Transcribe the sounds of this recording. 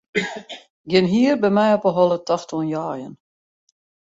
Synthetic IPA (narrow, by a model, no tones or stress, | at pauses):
ɡjɪnɦiːərbɛmɛjɔpəɦɔlˠətɑxtɔnjaːjə̰n